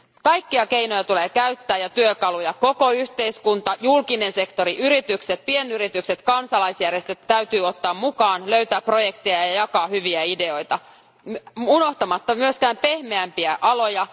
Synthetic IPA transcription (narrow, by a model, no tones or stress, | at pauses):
kɑjkːiɑke̞inojɑt̪uleːkæyt̪ːæːjɑt̪yøkɑlujɑko̞ko̞yht̪eiskunt̪ɑjulkine̞nse̞kt̪o̞ɾiʔyɾit̪ykset̪̚pienyɾit̪ykset̪kɑnsɑlɑjsjærjest̪øt̪tæyɥt̪yːo̞t̪ːɑːmmukɑːnløyt̪æːpːro̞jekt̪ejɑjɑjɑkɑːhyʋiæide̞o̞jt̪ɑ | munoht̪ɑmɑt̪ːɑmyøskæːmpe̞hmeæmpiæʔɑlo̞jɑ